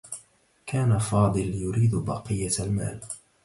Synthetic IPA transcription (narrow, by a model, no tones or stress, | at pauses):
kaːnafɑːd̪ˤɨljʊɾiːd̪bɑ̰qɨjːaalma̰ːl